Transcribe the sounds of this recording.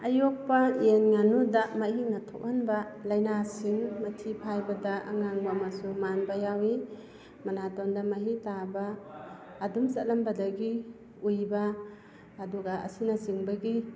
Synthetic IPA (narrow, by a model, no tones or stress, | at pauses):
ɐjok̚pɐjenŋanudaʔmaɦiŋnɐtʰok̚hanbɐlɐjnasiŋmɐtʰipʰajbɐdɐʔːŋaŋbamɐsumanbɐjawi | mɐnatondɐmɐɦitabɐː | dumsɐt̚lɐmbɐdɐɡi | ujbɐː | duɡaɐ̰sinasiŋbɐɡi